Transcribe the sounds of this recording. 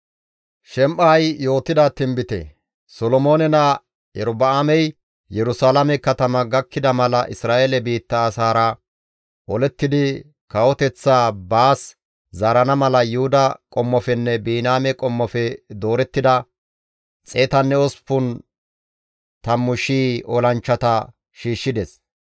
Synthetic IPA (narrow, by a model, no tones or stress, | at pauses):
ʃɛmʔaːjjo̞ːt̪ːɪd̪ɐt̪ɪmbɪt̪ɛ̰ | sɔlɔmoːnɛna | jɛ̰ɾʊbɐamɛj | jɛɾʊsaːlɐmɛkɐt̪ɐmɐɡɐkːɪd̪ɐmɐlɐʔɪsɾaːʔelɛbiːt̪ːɐːsaːɾɐ | ʔɔlɛt̪ːɪd̪ɪ | kɐwɔt̪ɛt͡sːaːbaːs | zaːɾɐnɐmɐlɐjʊhʊd̪ɐkʼɔmːɔfɛnːɛbiːnaːmɛkʼɔmːɔfɛd̪o̞ːɾɛt̪ːɪd̪ɐ | t͡sʼeːt̪ɐnːɛɔspːʊn | t̪ɐmːʊʃiːɔ̰lɐnt͡ʃːɐt̪ɐ | ʃiːʃːɪd̪ɛs